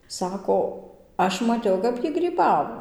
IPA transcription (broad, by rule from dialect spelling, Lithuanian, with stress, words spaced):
ˈsɑːkoː ˈɐʃ mɐˈtʲɛʊ kɐp ˈjiː ɡrʲiːˈbɑːʋoː